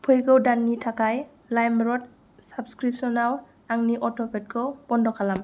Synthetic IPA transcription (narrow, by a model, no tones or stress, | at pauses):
pʰɯjɡɯwdanːitʰakaj | lajmɾɔt̚ | sabskɾip̚sɔnaw | aŋniʔɔtʰɔpʰet̚kʰɯb̥ɔndɔkʰalam